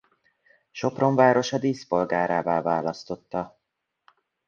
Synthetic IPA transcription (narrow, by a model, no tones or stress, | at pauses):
ʃo̞pro̞ɱvaːɾo̞ʃɒd̪iːspo̞lɡaːɾaːvaːvaːlɒst̪o̞t̪ːɒ